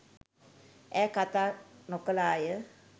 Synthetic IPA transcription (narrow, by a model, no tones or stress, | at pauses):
ɛːkat̪aːnokəlaːjə